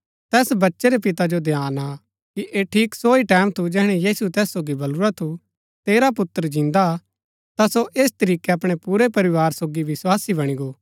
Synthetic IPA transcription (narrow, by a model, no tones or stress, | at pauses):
t̪ɛːsbɐtːʃeɾepɪt̪ad͡ʒod̪ʱjaːna | kiʔeːʈʰiːksoːiʈɛːmt̪ʰud͡ʒɛːɦɽ̃ɛjiːsut̪ɛːsːoːɡibɐluɾat̪ʰu | t̪eːɾapʊt̪ːəɾd͡ʒɪ̃nd̪a | t̪asoʔeːst̪ɐɾiːkeɐpɽ̃epuɾepɐɾɪʋaːɾsoːɡiʋɪswaːsibɐɽ̃iɡoː